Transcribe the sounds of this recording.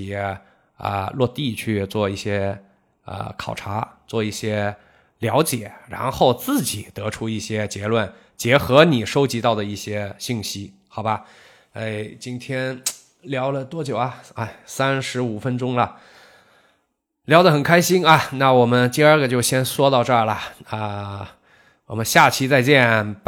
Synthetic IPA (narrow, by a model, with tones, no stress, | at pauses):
ə̰˧lwɔ˥˧t̪i˥˧t͡ɕʰy˥˧t͡swɔ˥˧i˥˩ɕjɛ˥ | ə̰˧˩kʰɑ˨˩ʊʈ͡ʂʰa˧˥t͡swɔ˥˧i˥˩ɕjɛ˥ | ljɑ˧˥ʊt͡ɕjɛ˨˩˦ɻa̰˧˥nxo˥˧ʊt͡sɹ̩˥˩t͡ɕi˨˩˦t̪ɤ˧˥ʈ͡ʂʰu˥i˥˩ɕjɛ˥t͡ɕjɛ˧˥lwə˥˩n | t͡ɕjɛ˧˥xɤ˧˥ni˨˩ʂo˥ʊt͡ɕi˧˥t̪ɑ˥˩ʊd̪ə˩i˥˩ɕjɛ˥ɕi˥˩ŋɕi˥ | xɑ˨˩ʊbɐ˧˦ | e˥˩ɪt͡ɕi˥nt̪ʰjɛ˥n | ljɑ˧˥ʊlə˨t̪wɔ˥t͡ɕjo˨˩ʊɐ˧a˥˩ɪsa˥nʂɻ̩˧˥u˨˩fə˥nʈ͡ʂʊ˥ŋlə˨ | ljɑ˧˥ʊd̪ə˨xə˨˩nkʰa˥ɪɕi˥ŋɐ˧˩na˥˩wɔ˨˩mə˦nt̪i˥˧ə˞˥˩ɡə˩t͡ɕjo˥˩ʊɕjɛ˥nʂwɔ˥t̪ɑ˥˧ʊʈ͡ʂə˞˥˩lə˩ə˧˩ | wɔ˨˩mə˦nɕja˥˩t͡ɕʰi˥˧t͡sa˥˧ɪt͡ɕjɛ˥˩n